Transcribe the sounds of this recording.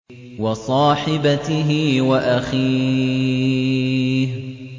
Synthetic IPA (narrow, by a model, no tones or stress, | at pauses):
wɑsˤɑːħɪbat̪ɪɦɪwaʔaxiː | h